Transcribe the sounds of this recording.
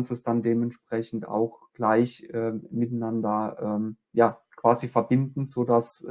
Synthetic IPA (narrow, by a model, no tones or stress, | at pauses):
nstɛsd̥andeːmɛntʃpʁ̥ɛçn̩ta̰ʊxɡ̥laɪçʔɛːmɪtanandɐʔɛːm | jaːkv̥aːzifɛɐbɪndn̩zoːdas